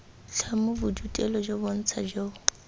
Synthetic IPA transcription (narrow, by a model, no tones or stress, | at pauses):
t͡ɬʰamʊbʊd͡ʒutʼɛlɔd͡ʒobon̩t͡sʰad͡ʒo